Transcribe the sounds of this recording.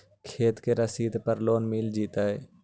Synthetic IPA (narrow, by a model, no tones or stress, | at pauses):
kʰeːt̪keɾəsiːd̪pəɾloːnmiːld͡ʒiːt̪aːeː